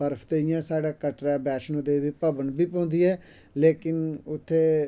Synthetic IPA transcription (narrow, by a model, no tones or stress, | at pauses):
əɾpʰt̪eːɪjãːsaːɽaːkəʈɾaːbɛːʃnõːd̪eːʋiːpəbənbiːpɔ̃ːnd̪iːɛː | leːkɪnʊt̪ʰːeː